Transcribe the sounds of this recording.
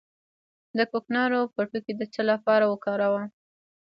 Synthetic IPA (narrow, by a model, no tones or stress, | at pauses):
d̪əkoknɑɾopəʈuked̪ət͡səlapɑɾawəkɑɾawa